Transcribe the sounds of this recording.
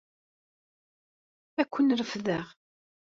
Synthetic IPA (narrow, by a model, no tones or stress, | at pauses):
ækʷːənɾəfðəʁ